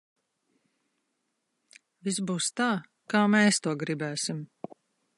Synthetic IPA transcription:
visbuːst̪aː | kaːmeːst̪uɔɡɾibæːsim

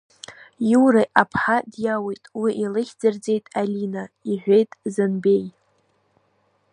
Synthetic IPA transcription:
juwɾajʔapʰħadjawejtʼwiʔilɨχʲd͡zard͡ze̞jtʼalinaiʕʷejtʼzɨnbe̞j

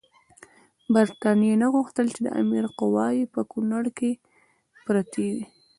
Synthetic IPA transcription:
baɾt̪ɑnijenaɣuxt̪əlt͡ʃed̪ə̰ʔa̰miɾqʊwɑjepəkunaɽke | pɾat̪ʰewi

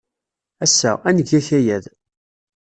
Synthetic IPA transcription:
æsːæ̰ænəɡːæçæjæð

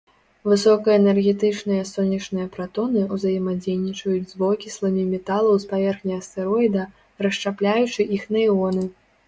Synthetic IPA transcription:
vɨsɔkɐɛnɛrɣʲɛt̪ɨt͡ʂnɨjɐsɔnʲːɐt͡ʂnɨjɐpɾat̪ɔnɨuzɐjɛmad͡zʲejnʲit͡ʂɐjud͡zʲzbɔkʲislˠɐmʲimʲɛt̪alˠɐwspavʲɛrxnʲiɐst̪ɛɾɔid̪ɐ | rɐʂt͡ʂaplʲajut͡ʂɨʔixnɐiɔnɨ

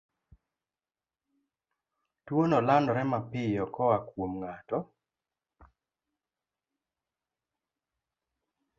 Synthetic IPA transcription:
twonɔlandɔɾɛmapɪjɔkɔwakwomŋatɔ

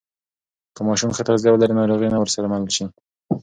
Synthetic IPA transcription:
kəmɑʃumxat̪azjɑwəlaɾinaɾoɣenawəɾsaɾamalulʃi

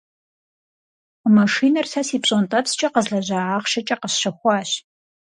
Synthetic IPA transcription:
mɐʂiːnɐrsaːsiːpɕʼontʼɐtst͡ʃʼɐqəzɮɐʑaːʕaːχʃɐt͡ʃʼɐqəɕʃɐxʷɑːɕ

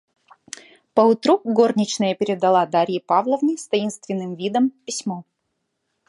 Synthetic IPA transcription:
pəʊt̪ɾuɡo̞rnʲɪt͡ɕnəjəpʲɪɾʲɪd̪ɐlˠad̪aɾʲjɪpavlˠəvnʲɪst̪ɐinst̪vʲɪnːɨmvʲid̪əmpʲɪsʲmo

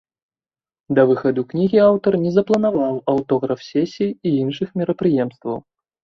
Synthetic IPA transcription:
d̪ɐvɨxɐd̪uknʲiɣʲiawt̪ɐrnʲɛzɐplˠɐnavawɐwt̪ɔɣɾɐfsʲɛsʲijːinʂɨxmʲɛɾɐpɾɨjɛmst̪vɐw

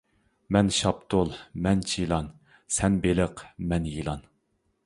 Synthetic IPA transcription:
mɛnʃɑpt̪ʰʊlˠmɛnt͡ʃʰilˠɑn | sɛnbelɪqmɛnjilˠɑn

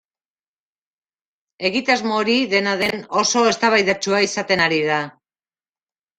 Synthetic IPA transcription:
e̞ɣit̪azmoːɾiðe̞naðe̞no̞so̞e̞st̪aβajðat͡ʃuaisat̪e̞naɾiða

